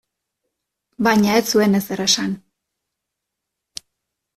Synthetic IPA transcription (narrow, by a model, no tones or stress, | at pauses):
bajɲaesue̞nezd̪eɾesan